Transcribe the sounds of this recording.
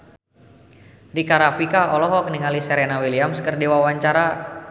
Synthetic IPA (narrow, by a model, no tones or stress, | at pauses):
rikaɾafikaɔlɔɦɔkəniŋalisɛɾɛnawiliamskərdiwawaɲt͡ʃaɾa